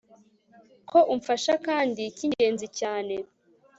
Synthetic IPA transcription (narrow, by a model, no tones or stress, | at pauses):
kʰo̞ʔuɱfaʃakaːndiciɲɟe̞ːnzicaːne